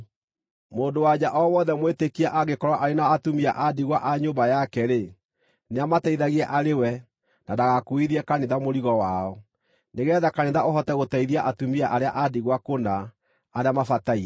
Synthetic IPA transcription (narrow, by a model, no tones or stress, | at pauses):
moːndowad͡ʑaʔɔwɔðɛmwetekiaʔaɣekɔɾwaʔaɾenaːtumiaʔadiɣwaʔaɲoːmbajakɛɾe | neamataiðaɣiɛʔaɾewɛ | nadaɣakoiðiɛkaneðamoɾiɣɔwaɔ | neɣɛːðakaneðaoɦɔtɛɣotaiðiaʔatumiaʔaɾeaʔadiɣwakonaː | ɾeamafataiɛ